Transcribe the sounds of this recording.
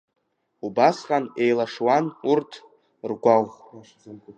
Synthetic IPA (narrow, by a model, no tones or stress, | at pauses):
ubasqʼane̞jlaʂwanurtʰ | rɡʷawχ